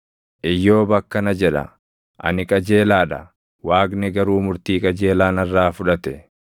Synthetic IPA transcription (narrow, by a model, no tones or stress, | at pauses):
ʔɪjːo̞ːbɐkːɐnɐd͡ʒɛᶑɐ̰ | ʔɐ̰nɪkʼɐd͡ʒe̞ːlaːᶑɐ̰ | waːɡnɛɡɐɾuːmʊɾt̪iːkʼɐd͡ʒe̞ːlaːnɐrːaːfʊᶑɐt̪ɛ